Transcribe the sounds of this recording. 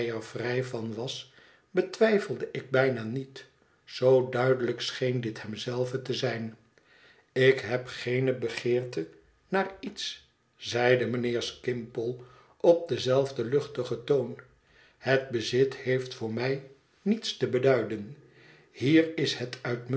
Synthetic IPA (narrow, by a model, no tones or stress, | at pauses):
jɛɹvrɛjvɑnʋɑs | bətʋɛjfəlˠdəʔɪɡ̚bɛjnaːnit | z̥owdœɥdələksχejndɪthɛmzɛlˠvətəzɛjn | ɪkɦɛpχejnəbəχɪːɹtə | naːɹits | z̥ɛjdəmənɪːɹskɪmpəlˠ | ʔɔp̚dəzɛlˠvdəlɵχtəχətown | həd̚bəzɪthejftfʊːɹmɛj | nitstəbədœɥdən | hiːrɪshətʰœɥtm